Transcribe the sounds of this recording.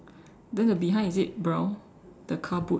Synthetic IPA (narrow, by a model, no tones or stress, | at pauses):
dɛ̃ndəbiɦãɪ̃nisit̚bɹɛʊ | d̥əkʰabu